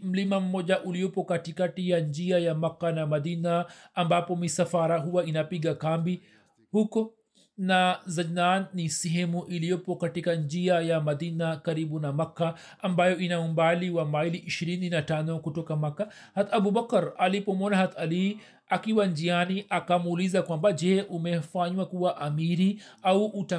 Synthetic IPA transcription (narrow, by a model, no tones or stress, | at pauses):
mlimamːod͡ʒaʔulijopːokaʈikaʈijaɲd͡ʒijajamɐkːanamɐd̪iːnaɐmbaːpomisɐfaːɾaɦuwainapiɡakaːmbi | huk | nazɐd͡ʒnaːnːisiɦemuʔilijopːokɐʈikaɲd͡ʒijajamɐd̪iːnakaɾibunamakːaː | mbajɔʔinaumbaliwamailiʔiʃiɾininatanɔkutɔkamakːa | hat̪abubakɾalipɔmɔnaɦat̪ali | akiwand͡ʒianiʔakamuːlizakwambad͡ʒɛʔumɛfaɲwakuwaʔamiɾiauʔːta